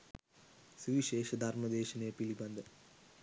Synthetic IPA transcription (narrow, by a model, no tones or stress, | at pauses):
suʋiʃeːʂɐd̪ʱɐɾmɐd̪eːʃɐnɐɐpilibɐnd̪ɐ